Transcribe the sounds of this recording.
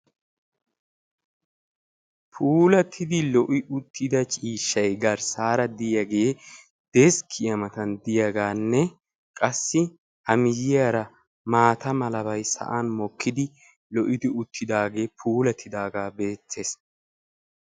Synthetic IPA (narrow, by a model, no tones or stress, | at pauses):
pʰuːlɐt̪ʰɪd̪ɪlɔʔɪʔʊt̪ʰːɪd̪ɐt͡ʃʼiːʃːɐjɡɐɾsaːɾɐd̪ɪjɐɡe̞ː | d̪̥ɛskʰːɪjɐmɐt̪ɐnd̪ɪjɐɡaːnːɛ | kʼɐsːɪ | hɐmɪjɪjaɾɐ | maːt̪ɐmɐlɐβɐjsɐ̰ʔanmɔkʰːɪd̪ɪ | lɔʔɪd̪ɪʊt̪ʰːɪd̪aːɡe̞ːpʰuːlɐt̪ʰːɪd̪aːɡaːbe̞ːt͡sːe̞ːs